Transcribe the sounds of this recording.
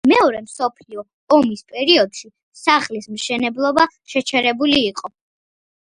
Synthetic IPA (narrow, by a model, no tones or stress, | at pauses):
mɛɔɾɛmsɔpʰliɔ | ɔmispʼɛɾiɔd̪̥ʃi | saχlismʃɛnɛblˠɔbaʃɛt͡ʃʰɛɾɛbuliːqʼɔ